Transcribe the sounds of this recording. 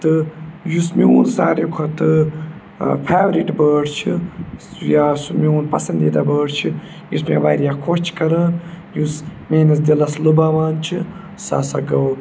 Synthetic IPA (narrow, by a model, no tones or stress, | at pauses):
t̪ɨjusmiṵːnsaːɾjikʰot̪ɨ | pʰaːʋɾiʈbəːɖt͡ʃʰi | jaːsumiuːnpɐ̰sɐnd̪id̪aːbəːɽt͡ʃʰi | jusmeʋaːɾjakʰot͡ʃʰkɐɾɐːn | jusmeːnɐsd̪ilɐslubaːʋaːnt͡ʃʰi | sa̰ːsɐɡɐw